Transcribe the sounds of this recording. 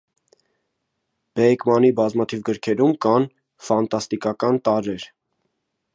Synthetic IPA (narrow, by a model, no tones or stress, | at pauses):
b̥ɛkmɑnibɑzmɑt̪ʰivɡəɾkʰɛɾumkɑn | fɑnt̪ɑst̪ikɑkɑnt̪ɑɾɛɾ